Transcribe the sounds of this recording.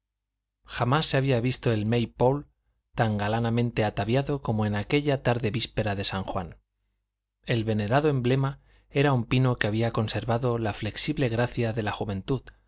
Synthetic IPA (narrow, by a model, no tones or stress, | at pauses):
xamasːeaβ̞iaβist̪o̞e̞lmejpol | t̪aŋɡalanamẽ̞nt̪e̞at̪aβjaðo̞ko̞moenake̞ʎat̪aɾðe̞βispe̞ɾaðe̞saŋxwan | e̞lβe̞ne̞ɾaðoe̞mble̞ma | e̞ɾaumpino̞keaβiako̞nse̞ɾβaðo̞lafle̞ksiβle̞ɣɾaθjaðe̞laxuβẽ̞nt̪uð